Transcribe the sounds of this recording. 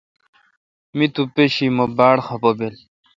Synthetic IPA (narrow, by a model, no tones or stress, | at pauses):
mit̪upeɕimobaːɽxɐpobel